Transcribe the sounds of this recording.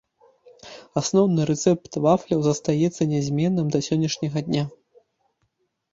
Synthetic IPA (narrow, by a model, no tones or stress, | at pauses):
asnɔwnɨɾɛt̪sɛpt̪vaflʲɐwzɐst̪ajɛt̪sːɐnʲɛzʲmʲɛnːɨmd̪ɐsʲɔnʲːɐʂnʲɐɣɐd̪ʲnʲa